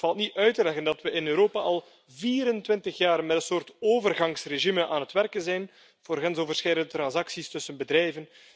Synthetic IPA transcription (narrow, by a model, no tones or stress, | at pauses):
fɑlˠtniœɥtəlɛɣəndɑtʋəʔɪnøːɾoːpaʔɑlˠ | viːɾəntwɪntəxjaːrmɛtənsoːrtoːvərɣɑŋsreʒiməʔaːnətʋɛrkənzɛjn | v̥oːrɣɛnzoːvərsxɛjdəndətrɑnzɑksistɵsənbədɾɛjvən